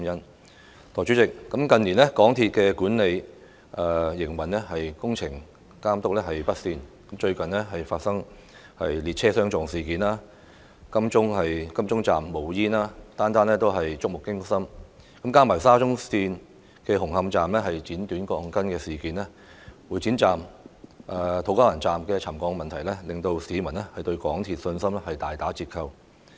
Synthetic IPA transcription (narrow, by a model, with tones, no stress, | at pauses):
jɐ˥n | t̪ʰɔː˨˩jt͡ʃy˨˥t͡sɪ˨k̚ːɐ˨˥mkɐ˧ni˨˩nlɛ˥kɔː˨˥ŋt̪ʰi˧t̚kɛː˧kuː˨˥nle˨˧j | ʔɐː˨jɪ˨˩ŋwɐ˨˩nlɛ˥hɐ˨jkʊ˥ŋt͡sʰɪ˨˩ŋ | kaː˥mt̪ʊ˥k̚lɛ˥hɐ˨jpɐ˥t̚siː˧nkɐ˨mt͡ʃɵ˧ɥkɐ˨nlɛ˥ɦɐ˨jfaː˧t̚sɐ˥ŋ | hɐ̰˨jliː˨t̚t͡sʰɛː˥sœː˥ŋt͡sɔː˨ŋsiː˨˩kiː˨˥naː˥ | kɐ˥mt͡ʃʊ˥ŋhɐ˨jkɐ˥mt͡sʊ˥ŋt͡sa̰ː˨mːo˨˩wjiː˥naː˥t̪aː˥nt̪aː˥nlɛː˥t̪o˥wɦɐ˨jt͡sʊ˥k̚mʊ˨˩kːɪ˥ŋsɐ˥m | kɐ˨˥mkaː˥maː˨˩saː˥t͡sʊ˥ŋsiː˧n | kɛː˧ɦʊ˨˩ŋhɐ˧mt͡saː˨mlɛː˥ɦɐ˨jt͡siː˨˥nt̪yː˨˥nkɔː˧ŋkɐ˥nkɛː˧siː˨˩kiː˨nlɛː˥ | wuː˨˧jt͡siː˨˥nt͡saː˨˩mʔaː˧t̪ʰo˨˥wkaː˥lɐ˨˩nt͡saː˨mkɛː˧t͡sʰɐ˨˩mkɔː˧ŋmɐ˨nt̪ʰɐ˨˩jlɛː˥lɪ˨ŋt̪o˧wsiː˨˥mɐ˨˩nɛ˥hɐ˨jt̪ɵ˧ɥkɔ̰ː˨˥ŋt̪ʰiː˨˩t̚sɵ˧nsɐ˥mlɛ˥hɐ˨jt̪aː˨jt̪aː˨˥t͡siː˧t̚kʰɐ˧w